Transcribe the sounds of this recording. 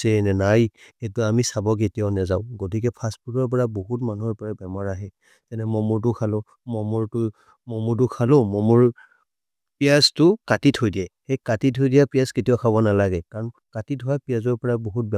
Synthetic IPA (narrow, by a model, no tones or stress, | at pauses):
sɛnɛnajxetʊamisabɔk̬etijaʊnazaʊ̃ɡot̬ikɛpʰasputɔɹp̬ɔɹaboɦutmanuɔɹpɔɹabɛmɔɹaɦɛ | tɛnɛmɔmuɹt̬ʊkʰalʊ̃ | mɔmuɹtʊ | mɔmuɹt̬ʊkʰalʊ̃mɔmuɹ | pijastʊkatitʰojdiɛxekatitʰojdijapijasketijɔkʰaβɔnalaɡɛkaɹɔnkatitɦɔapijazɔɹpɔɹaboɦut̚bɛ